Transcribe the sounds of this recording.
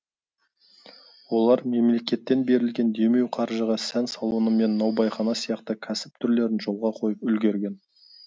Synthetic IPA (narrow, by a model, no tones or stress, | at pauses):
wo̞lˠɑɾme̞mle̞kʲe̞t̪ːe̞nbe̞ɾɪlɡʲe̞nd̪e̞me̞wqʰɑɾʒəʁɑsænsɑlˠuwənəme̞nːɑwbɑjχɑnɑsijɑqt̪əkʲʰæsɪp̚t̪ʰʏɾle̞ɾɪnʒo̞lˠʁɑqʰo̞jəpʏlɡʲe̞ɾɡʲe̞n